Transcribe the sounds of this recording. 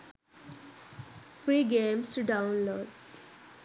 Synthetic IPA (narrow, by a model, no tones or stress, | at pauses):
fɾiːɡẽːmsʈuɖãʊ̃nloːɖ